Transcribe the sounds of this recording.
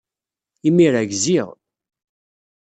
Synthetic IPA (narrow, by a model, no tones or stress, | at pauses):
imiɾæɡziʁ